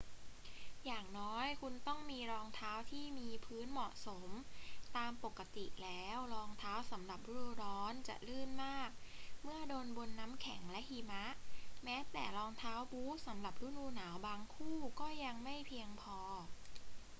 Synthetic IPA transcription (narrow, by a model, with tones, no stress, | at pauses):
jaː˨˩ŋnɔː˦˥jkʰu˧nt̪ɔ˥˩ŋmiː˧ɾɔː˧ŋt̪ʰaː˦˥wt̪ʰiː˥˩miː˧pʰɯː˦˥nmɔ˨˩ʔso˩˦mt̪aː˧mpo˨˩kːa˧t̪i˨˩ʔlɛː˦˥wɾɔː˧ŋt̪ʰaː˦˥wsa˩˦mɾa˨˩p̚lu˦˥ɾuː˧ɾɔː˦˥nt͡ɕa̰˨˩ʔlɯː˥˩nmaː˥˩k̚mɯ˥˩ədoː˧nbo˧nːa˦˥mkʰɛ˩˦ŋlɛ˦˥ʔhiː˧ma˦˥ʔmɛː˦˥t̪ɛː˨˩ɾɔː˧ŋt̪ʰaː˦˥wbuː˦˥sa˩˦mɾa˨˩p̚luː˦˥nuː˧˥naː˩˦wbaː˧ŋkʰuː˥˩kɔː˥˩ja˧ŋma˥˩jpʰi˧əŋpʰɔː˧